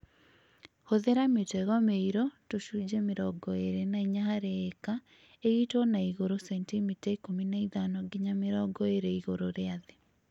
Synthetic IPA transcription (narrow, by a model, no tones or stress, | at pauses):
hoðeɾametɛɣɔmeiɾɔtoʃud͡ʒɛmeɾɔɡɔeɾenaiɲaɦaɾeːka | eɣitɔnaiɣoɾosɛntimitaikominaiðanɔɡiɲameɾɔɡɔeɾeiɣoɾoɾeaðe